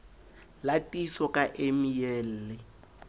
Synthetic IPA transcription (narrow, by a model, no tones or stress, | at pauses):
latʼisɔkʼaʔemijɛːl̩ːlɪ